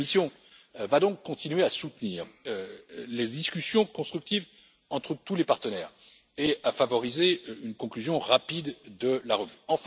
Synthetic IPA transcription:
misjɔ̃ | vad̪ɔ̃kːɔ̃t̪inɥeasut̪niːʁøled̪iskʲysjɔ̃kɔ̃st̪χyk̚t̪iv | ɑ̃t̪χət̪ulepaʁt̪ənɛːʁ | eafavɔʁizeynkɔ̃klyzjɔ̃ʁapid̪d̪əlaʁəvyɑ̃f

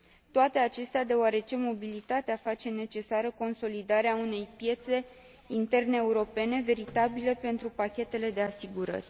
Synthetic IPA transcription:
t̪oat̪e̞at͡ʃe̞st̪ead̪e̞oaɾe̞t͡ʃe̞mo̞bilit̪at̪eafat͡ʃe̞ne̞t͡ʃe̞saɾəko̞nso̞lid̪aɾeaune̞jpje̞t̪se̞ | int̪e̞rneːuɾo̞pe̞ne̞ve̞ɾit̪abilepe̞nt̪ɾupakʲe̞t̪e̞le̞d̪e̞asiɡuɾə̰rʲ

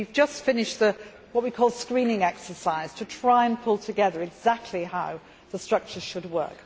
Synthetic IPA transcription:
ʉvd͡ʒʌstfɪ̃nɪʃðə | wʌt̚wikʰɔːlˠskɹĩnɪ̃ŋɛksə˞saɪz̥tʰətʰɹ̥aɪə̃npʰʊlˠtʰəɡɛðə˞ɨɡzak̚tʰlihaʊ | ðəstɹ̥ʌk̚t͡ʃə̥ʃəd̚wɜ̰ˑ˞k

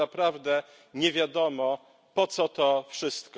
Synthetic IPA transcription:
apɾavd̪ɛ | ɲɛvʲjad̪ɔmɔ | pɔt̪sɔt̪ɔfʂɘst̪k

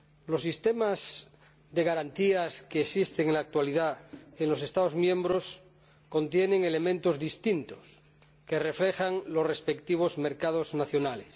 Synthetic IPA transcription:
lo̞sːist̪emaz | ðeɣaɾant̪iaskeːsist̪eŋenlak̚t̪waliðaenlo̞s̬e̞st̪aðozmjẽ̞mbɾo̞s | ko̞nt̪je̞nẽ̞ŋe̞le̞mẽnt̪o̞zðist̪int̪o̥s | ke̞re̞fle̞xaŋlo̞sre̞spekt̪iβ̞o̞zme̞ɾkað̞o̞znaθjo̞nales

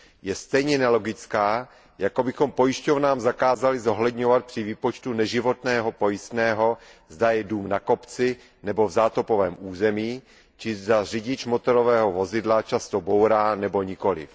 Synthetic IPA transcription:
jɛst̪ɛjɲɛnɛlo̞ɡɪt͡skaː | jako̞bɪxo̞mpo̞jɪʃcovnaːmzakaːzalɪzo̞ɦlɛd̪ɲo̞vat̪̚pr̥ɪviːpot͡ʃt̪unɛʒɪvo̞t̪nɛːɦo̞po̞jɪst̪nɛːɦo̞zdajɛduːmnako̞pt͡sɪ | nɛbo̞vzaːt̪opo̞vɛːmʔuːzɛmiː | t͡ʃɪzdar̝ɪɟɪt͡ʃmo̞t̪oɾovɛːɦo̞vo̞zɪdlat͡ʃast̪obo̞wɾaːnɛbo̞ɲɪko̞lɪ̰f

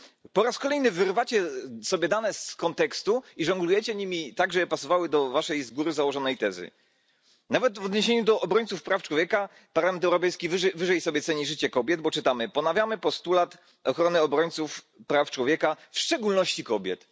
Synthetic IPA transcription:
pɔɾaskɔlɛjnɘvɘɾvat͡ɕɛsɔbʲjɛd̪anɛskɔnt̪ɛkst̪uiʐɔŋɡlujɛt͡ɕɛɲimʲit̪aɡʐɛpasɔvawɘd̪ɔvaʂɛjzɡuɾɘzawɔʐɔnɛjt̪ɛzɘ̰ | navɛt̪vɔd̪ɲeɕeɲud̪ɔʔɔbɾɔɲt̪sufpɾaft͡ʂwɔvʲjɛka | paɾlamɛnt̪ɛwɾɔpɛjskʲivɘvɘʐɛjsɔbʲjɛt̪sɛɲiʐɘt͡ɕɛkɔbʲjɛd̪̚bɔt͡ʂɘt̪amɘpɔnavʲjamɘpɔst̪ulat̪ | ɔxɾɔnɘɔbɾɔɲʲt̪suf | pɾaft͡ʂwɔvʲjɛkafʂt͡ʂɛɡulnɔɕt͡ɕikɔbʲjɛ̰t̪

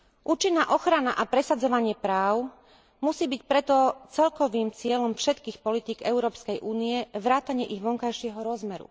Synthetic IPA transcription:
ʔuːt͡ʃinːaːʔɔxɾanaʔapɾɛsad͡zɔʋaɲɪɛpɾaːʊ | musiːbicpɾɛt̪ɔt͡sɛlkɔʋiːmt͡sɪɛlɔmfʃɛt̪kiːxpɔlit̪iːɡɛʊɾɔːpskɛjʔuːniɛʋɾaːt̪aɲɪɛʔiɣʋɔŋkajʃɪɛɦɔɾɔzmɛɾṵ

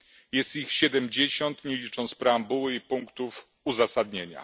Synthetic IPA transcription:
jɛst̪ixɕɛd̪ɛmd͡ʑeɕɔnt̪ɲɛlʲit͡ʂɔnt̪spɾɛambuwɘipuŋkt̪uf | uzasad̪ɲeɲa̰

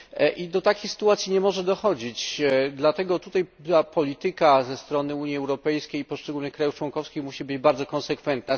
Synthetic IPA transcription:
ʔid̪ɔt̪akʲixsɘ̥t̪uwat̪sʲjiɲɛmɔʐɛd̪ɔxɔd͡ʑit͡ɕd̪lat̪ɛɡɔt̪ut̪aj̪apɔlʲit̪ɘkazɛst̪ɾɔnɘuɲjiɛwɾɔpɛjskʲejipɔʂt͡ʂɛɡulnɘxkɾajuft͡ʂwɔnkɔfskʲixmuɕibɘd͡ʑbaɾd̪zɔkɔnsɛkfɛnt̪̚na

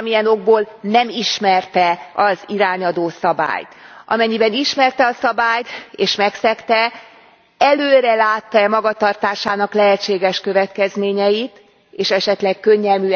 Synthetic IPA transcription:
mijɛno̞ɡ̚boːlnɛmiʃmɛrt̪ɛɒziɾaːɲɒd̪oːsɒba̰ːjt̪ʔɒ̰mɛɲːibɛniʃmɛrt̪ɛɒsɒbaːjt̪eːʃmɛksɛkt̪ɛ | ɛløːɾɛlaːt̪ːɒɛmɒɡɒt̪ɒrt̪aːʃaːnɒklɛɦɛt͡ʃːeːɡɛʃkøvɛt̪kɛzmeːɲɛjit̪ | eːʃɛʃɛt̪lɛkkø̞ɲːɛlmy

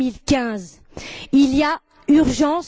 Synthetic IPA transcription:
ilkʲɛ̃z | ilija | yʁʒɑ̃s

